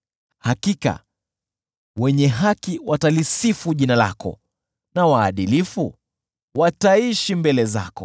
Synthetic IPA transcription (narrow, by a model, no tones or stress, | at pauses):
hakika̰ | wɛɲɛɦakiwatalisifuʄinala̰kɔ̰ | nawaːɗilifu | wataiʃimbɛlɛza̰kɔ̰